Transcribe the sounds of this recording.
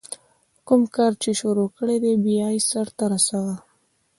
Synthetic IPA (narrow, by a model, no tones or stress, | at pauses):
kʊmkɑɾt͡ʃeʃuɾokəɽed̪ebijɑjsaɾt̪aɾasawa